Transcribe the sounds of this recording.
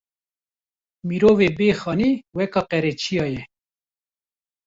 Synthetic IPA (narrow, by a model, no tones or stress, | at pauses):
miɾoːveːbeːxɑːniːwɛkɑːqɛɾɛt͡ʃʰijɑːjɛ